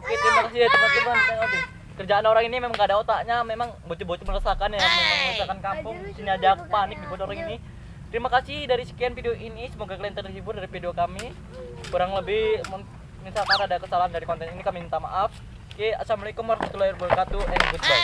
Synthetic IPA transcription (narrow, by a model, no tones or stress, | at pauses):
oket̪əɾimakasidaɾit̪ɾimasipuanikaŋabɪ | kərd͡ʒaanoɾaŋinimemaŋɡadaot̪aɲamemaŋbot͡ʃubot͡ʃumələsakanjamaamələsakankampʊŋsiɲadak̚panɪk̚dibut̪oɾaŋini | t̪əɾimakasidaɾisə̥kianfideoʔinisəmoɡakəliɛnt̪ərdisibʊrdaɾifideokami | kuɾaŋləbɪhmə | minsalk̪aɾadakəsalaɦandaɾikɔnt̪ɛninikamint̪amaʔaf | kea̰samlaikəmaɾsat̪ulairbulkat̪uɛnbutda